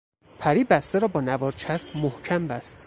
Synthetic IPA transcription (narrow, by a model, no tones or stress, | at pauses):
pʰæɾiːbæst̪eɾɒːbɒːnævɒːɾt͡ʃʰæsbmohcʰæmbæst̪